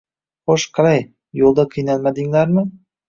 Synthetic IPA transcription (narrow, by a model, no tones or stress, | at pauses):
χoʃqʰɑɾaj | jolˠd̪aqʰɨjnalmad̪ɪŋlaɾmɪ